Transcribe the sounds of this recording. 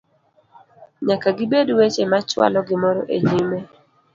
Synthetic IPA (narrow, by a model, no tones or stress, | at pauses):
ɲakaɡɪbedwet͡ʃemat͡ʃwa̰lɔɡɪmɔɾɔʔeɲime